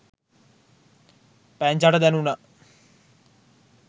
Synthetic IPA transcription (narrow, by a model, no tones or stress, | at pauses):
pæɲd͡ʒaʈəd̪ɛnuna